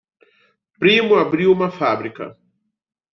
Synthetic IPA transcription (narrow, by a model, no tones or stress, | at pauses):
pɾimʊabɾiwũmɐfabɾikɐ̰